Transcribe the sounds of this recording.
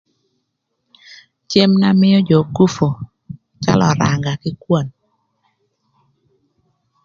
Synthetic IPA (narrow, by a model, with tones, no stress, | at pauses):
t͡ʃe˦mna˦mɪ˦jɔ˦d͡ʒo˨ku˦fo˨ | t͡ʃa̰˦lɔ˨ɾa˨ŋɡa˨kɪ˦kwo˦˨n